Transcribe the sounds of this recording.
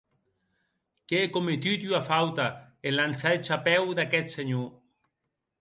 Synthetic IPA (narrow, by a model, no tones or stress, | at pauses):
keekomet̪yt̪yafawt̪a | elansaet͡ʃapɛwd̪akɛt̪seɲo